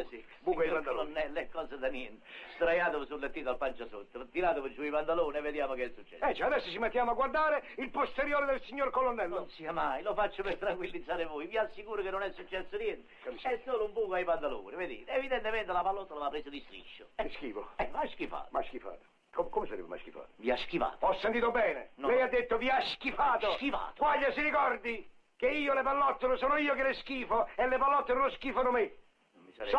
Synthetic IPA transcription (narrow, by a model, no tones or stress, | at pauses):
si | buɲkaiokolonːɛlːɛkːɔːsad̪anjɛnt̪ɪst̪ɾajaːt̪ʊvʊsulːet̪ːiːt̪alpant͡ʃasot̪ːʊt̪iɾaːt̪ʊvʊsuipand̪aloːnɛved̪jaːmʊkɪɛsːut͡ʃːɛ̰sɛt͡ʃːɛad̪ɛsːot͡ʃimet̪ːjaːmʊaɡwaɾd̪aːɾɪilpost̪eɾjoːɾɪd̪elsiɲːoɾkolonːɛlːnːonsiːamajlofat͡ʃːʊpɪrt̪ɾaŋkwilːid̪zːaːɾɪvojviasːikuːɾʊkɪnːʊnɛsːut͡ʃːɛsːʊnjɛnt̪ɪɛsːoːlʊumbuːkʊaijpand̪alo̰ːnived̪ḭːt̪ɛvid̪ɛnt̪eɪmɛnt̪ɪlapalːɔt̪ːolaapːɾeːsʊd̪ist̪ɾḭʃːʊɛskiːfoɛmajsk̟ifa̰ːt̪majsk̟ifa̰ːt̪o̥ | komkomesaɾɛ̰bɪma̰jskifa̰ːt̪viaskiva̰ːt̪ɔsːent̪iːt̪ʊbɛːnḛnlɛjad̪ːet̪ːʊviaskifaːt̪sok̟iva̰ːt̪kwaʎːasiɾikɔrd̪i | k̟eiːolɪpalːɔt̪ːenʊsoːnʊiːokɪlɪskiːfoɛlːepalːɔt̪ːenloskiːfanʊmɪ | misaɾɛ